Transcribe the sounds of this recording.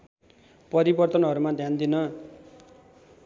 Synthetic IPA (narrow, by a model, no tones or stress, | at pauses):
pʌɾibʌrt̪ʌnɦʌɾumad̪ʱjand̪inʌ